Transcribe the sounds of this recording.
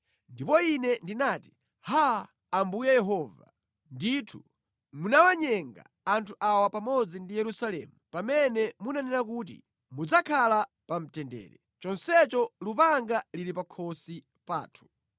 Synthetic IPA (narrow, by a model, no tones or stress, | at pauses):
ndipɔinɛndinaːti̥ | haː | mbujɛjɛɦɔːva̰ | nditʰu | munawaɲɛŋɡa̰ːntʰuʔawapamɔd͡zindijɛɾusalɛ̰mupamɛnɛmunanɛnakuːt̬ḭ | mud͡zakʰala | pam̩tɛndɛ̰ːɾɛ | t͡ʃɔnsɛt͡ʃɔlupaŋɡaliɾipakʰɔsi | pa̰ːtʰu̥